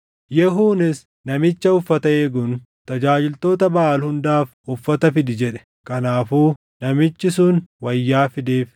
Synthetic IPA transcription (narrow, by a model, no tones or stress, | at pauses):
jɛɦuːnɪs | nɐmɪt͡ʃːɐʊfːɐt̪ɐeːɡʊn | t̪ɐd͡ʒaːd͡ʒɪlt̪o̞ːt̪ɐbɐʔaːlhʊnd̪aːf | ʊfːɐt̪ɐfɪd̪ɪd͡ʒɛᶑɛ̥ | kɐnaːfuː | nɐmɪt͡ʃːɪsʊnwɐjːaːfɪd̪eːf